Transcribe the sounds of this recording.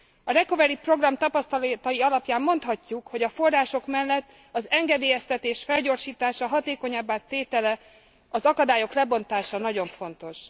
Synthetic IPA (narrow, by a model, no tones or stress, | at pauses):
ɒɾɛko̞vɛɾipro̞ɡrɒmt̪ɒpɒst̪ɒlt̪ɒjiɒlɒpjaːmːo̞nt̪hɒcːukho̞ɟɒfo̞rraːʃo̞kmɛlːɛt̪ː | ɒzɛŋɡɛd̪eːjɛst̪ɛt̪eːʃfɛlɟo̞ːrʃiːt̪aːʃɒɦɒt̪eːko̞ɲɒbːaːt̪ːeːt̪ɛlɛ | ɒzɒkɒd̪aːjo̞klɛbo̞nt̪aːʃɒnɒɟo̞ɱfo̞nt̪o̞ʃ